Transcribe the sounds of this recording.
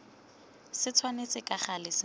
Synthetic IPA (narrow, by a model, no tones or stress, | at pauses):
sɪt͡sʰwanet͡sʼɪkʼaχalɪsɪ